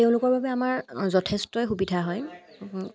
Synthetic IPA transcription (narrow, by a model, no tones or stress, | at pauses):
teʊ̃lʊkɔɹbʱabɛamaɹzɔtʰɛstɔjxubidʰʱaɦɔj